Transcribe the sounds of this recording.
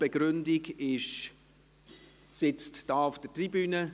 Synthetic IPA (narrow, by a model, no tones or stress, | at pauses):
b̥ɛɡɾʏndiɡɪʃ | sɪt͡std̥ɑːʊfd̥ətribyːnə